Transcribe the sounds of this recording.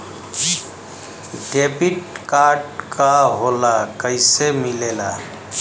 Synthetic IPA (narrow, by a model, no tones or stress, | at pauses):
ɖepiʈkaɾɖkʰaɦolakəɪsemilela